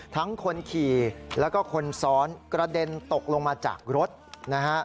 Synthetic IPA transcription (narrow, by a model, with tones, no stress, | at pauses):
t̪ʰa˦˥ŋkʰo˧nkʰiː˨˩lɛː˦˥wkɔː˥˩kʰo˧nsɔː˦˥nkɾa˧de˧nt̪o˨˩k̚lo˧ŋmaː˧t͡ɕa̰ː˨˩k̚ɾo˦˥t̪̚na˦˥kʰa˦˥ʔ